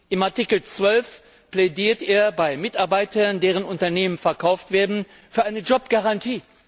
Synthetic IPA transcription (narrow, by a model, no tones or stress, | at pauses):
ʔɪmaɐtɪkl̩t͡sv̥œlf | pl̥ɛdiːɐtʔeːɐbaɪmɪtaɐbaɪtɐndeːʁ̞ənʊntɐneːmənfɛɐkʰaʊftv̥eːɐdn̩ | fyːɐʔaɪnəd͡ʒɔpɡ̥aʁantʰiː